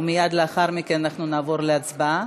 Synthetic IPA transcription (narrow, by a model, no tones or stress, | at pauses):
mijad̪leaχaʁmikenanaχnunaːvo̞ʁleat͡sba